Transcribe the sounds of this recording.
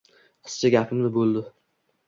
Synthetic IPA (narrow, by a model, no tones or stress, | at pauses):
qʰɨ̥st͡ʃʰaɡʲapʰɪmnɪbolˠd̪ɪ